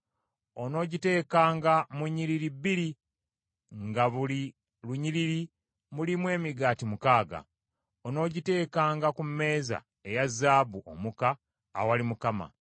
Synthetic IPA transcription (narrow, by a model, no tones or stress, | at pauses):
o̞no̞ːɟite̞ːkaːŋɡamuɲːiɾiɾibːiɾi | ŋɡaβuli | luɲiɾiɾi | mulimwe̞ːmiɡaːtimukaːɡa̰ | ono̞ːɟite̞ːkaːŋɡakumːe̞ːza̰ | e̞jazːaːbuʔomuka̰ː | walimukama̰